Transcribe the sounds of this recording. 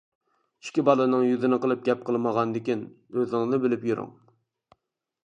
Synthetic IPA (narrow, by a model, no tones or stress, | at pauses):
i̥ʃkʲːibɑlˠɨnɨŋjyzɪnɨqəlˠɨp̚ɡʲɛp̚qʰəlˠməʁɑnd̪ɪkʲin | øznɪŋnɨbɪlɪpjyɾʊ̰ŋ